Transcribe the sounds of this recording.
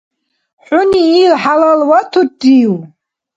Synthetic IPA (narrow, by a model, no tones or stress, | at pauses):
ħʷʊniːlħalalwatʰotʼiw